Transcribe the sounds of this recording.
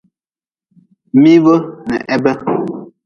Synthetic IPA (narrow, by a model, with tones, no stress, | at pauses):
mi˦və˦nɛ̰˨ʔɛ˦bə˦